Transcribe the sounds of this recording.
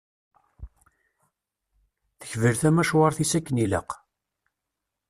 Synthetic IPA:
θə̥çvəɾθæmæʃwɑɾθisækːənilə̰q

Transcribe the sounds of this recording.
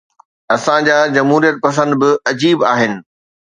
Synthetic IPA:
ɐsãd͡ʑaːd͡ʑɐmɦuːɾijət̪̚pɐs̬ə̃nd̪bɪɐd͡ʑiːba̰ːɦɪnɪ̆

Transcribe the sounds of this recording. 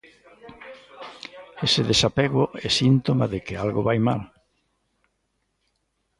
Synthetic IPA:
eseðesapeɣʊʔɛsint̪omaðekɪalɣoβajma̰l

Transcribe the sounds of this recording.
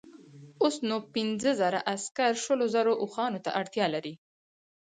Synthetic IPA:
osnopɪnzəzaɾa̰ʔaskaɾʃəlozaɾoʔʊxɑnot̪a̰ʔaɽt̪jɑlaɾi

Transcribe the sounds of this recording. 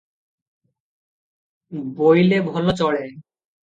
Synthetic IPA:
bojlebʱɔlot͡ɕɔɭe

